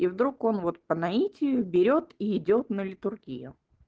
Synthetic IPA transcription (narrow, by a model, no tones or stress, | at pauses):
ivd̪ɾuko̞nvo̞t̪̚pənɐitʲɪjʊbʲɪɾʲo̞t̪iɪdʲo̞t̪nəlʲɪt̪ʊrɡʲḭjʊ̰